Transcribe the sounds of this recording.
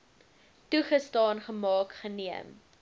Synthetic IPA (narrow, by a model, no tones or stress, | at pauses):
tuχəstɑːnχəmɑːkχəniəm